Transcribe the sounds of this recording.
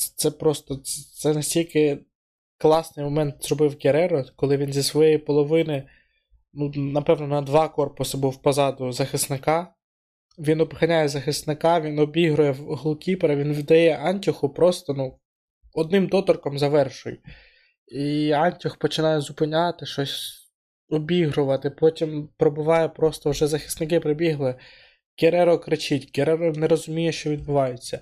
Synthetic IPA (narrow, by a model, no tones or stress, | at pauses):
t̪sɛpɾɔst̪ɔt̪sɛnɐsʲtʲilʲkɪ | klˠɑsnɪjmɔmɛnt̪z̥rɔbɪwɡʲeɾɛɾɔkɔlˠɪʋʲinzʲisʋɔjɛjipɔlˠɔʋɪnɪ | nunɐpɛʋnɔnɐd̪ʋɑkɔrpʊsɐbuwpɐzɑd̪ʊzɐxɪsnɪkɑ | ʋʲinɔbxɐnʲajɛzɐxɪsnɪkɑʋʲinɔbʲiɦɾʊjɛɦlˠkʲipeɾɐʋʲinʋʲid̪ɐjɛʔɑnʲtʲʊxʊpɾɔst̪ɔnu | ɔd̪̚nɪmd̪ɔt̪ɔrkɔmzɐʋɛrʃʊjʊ | iɑnʲtʲʊxpɔt͡ʃɪnɑjɛzʊpɪnʲɑt̪ɪʃɔsʲ | ɔbʲiɦɾʊʋɐt̪ɪpɔtʲimpɾɔbʊʋɑjɛpɾɔst̪ɔwʒɛzɐxɪ̥snɪkɪpɾɔbʲiɦlˠɪ | ɡ̥ʲeɾɛɾɔkɾɪt͡ʃɪtʲɡʲeɾɛɾɔnɛɾɔzʊmʲijɛʃt͡ʃɔʋʲid̪̚bʊʋɑjʊt͡sʲːɐ